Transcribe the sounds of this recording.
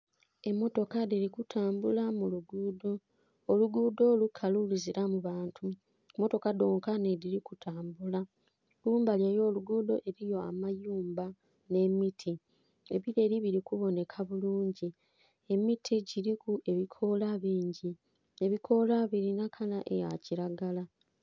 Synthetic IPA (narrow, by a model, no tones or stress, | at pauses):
e̞mːo̞to̞kadeɾikutʰaːmbulamuluɡuːdo̞ː | luɡuːdo̞ːlukʰaluliziɾamuβaːntʰu | emːo̞to̞kado̞ːŋkane̞ɾiɾikutʰaːmbula | ɡuːmbaljajo̞ːluɡuːdo̞ʔe̞ɾijo̞a̰majuːmba | ne̞mitʰi | e̞βiɾe̞ːɾiβiɾikuβo̞ne̞kʰaβuluːɲɟi | e̞mitʰiɟiɾikue̞βikʰo̞laβiːɲɟi | e̞βikʰo̞laβiɾinakʰalaʔḛja̰ciɾaɡala